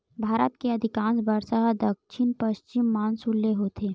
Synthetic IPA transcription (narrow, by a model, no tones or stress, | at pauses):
bʱaːɾət̪keɐd̪ʱɪkãːnsbəɾsaɦd̪ɐkʃʰɪnpɐʃt͡ʃɪmːaːnsulːeɦoːt̪ʰeː